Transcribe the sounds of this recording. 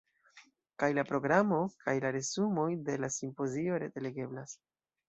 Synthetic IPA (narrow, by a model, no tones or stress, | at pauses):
kajlapɾo̞ɡɾamo̞kʰajlaɾe̞zumo̞jde̞lasimpo̞zio̞ɾetele̞ɡe̞blas